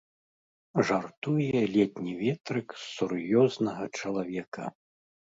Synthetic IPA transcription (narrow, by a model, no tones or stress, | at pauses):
ʐart̪ujɛlʲɛt̪ʲnʲivʲɛt̪ɾɨksurjɔznɐɣɐt͡ʂɐlˠavʲɛkɐ̰